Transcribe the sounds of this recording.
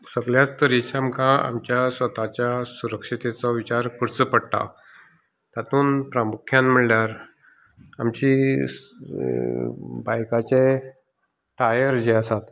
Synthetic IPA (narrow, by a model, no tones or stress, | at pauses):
səɡljat͡st̪əɾit͡ɕamkʰãa̰mt͡ɕjasʋət̪at͡ɕjasuɾəkʂit̪et͡sɔʋit͡ɕaɾkʰuɽt͡səpəɽt̪a̰ | t̪at̪uːnpɾamukʰjanm̤iɭljaɾ | a̰mt͡ɕi | bajkat͡ɕe | ʈajəɾd͡ʑeəsat̪